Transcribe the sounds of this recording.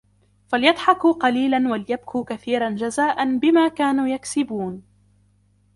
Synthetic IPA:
faljɑd̪ˤħɑkuqɑliːlanwaljab̚kʰuːkaθiːɾˤand͡ʒazaːʔanbɪmaːkaːnuːjaksɪbuːn

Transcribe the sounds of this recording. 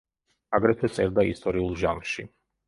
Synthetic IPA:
aɡɾɛt̪ʰɛt̪sʼɛɾd̪aist̪ʼɔɾiulˠʒanʃi

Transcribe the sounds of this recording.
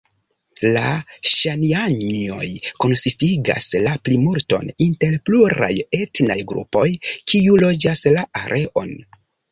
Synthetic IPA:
laʃaniaɲo̞̰jko̞nsistiɡa̰slaplimuɾto̞̰ninte̞ɾpluɾa̰je̞tna̰jɡɾṵpo̞jkiulo̞d͡ʒaslaʔaɾʔe̞ʔo̞n

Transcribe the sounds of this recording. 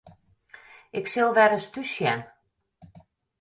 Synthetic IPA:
ʔɪksɪlˠʋɛɾəstysjɛ̰n

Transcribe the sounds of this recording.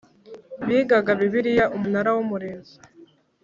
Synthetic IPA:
βiːɡaɡaβiβiɾijaʔumunaɾawumuɾeːnzi

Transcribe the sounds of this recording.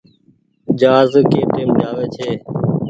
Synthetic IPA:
d͡ʒaːzkeːʈ̪eːmɗaːʋeːt͡ʃʰeː

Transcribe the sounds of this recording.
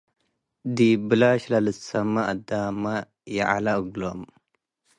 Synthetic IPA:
dibəlaʃlaləsamaadama | jaʔa̰laəɡlom

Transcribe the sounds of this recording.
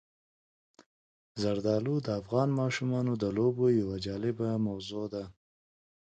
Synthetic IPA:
zaɾd̪ɑlud̪əafɣɑnmɑʃumɑnod̪əlobojawad͡ʒɑlɪbamawzod̪a

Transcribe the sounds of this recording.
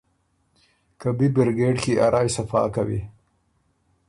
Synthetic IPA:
kabibɪɾɡeʈxiʔaɾʔɑːjsafɑ̰kawḭ

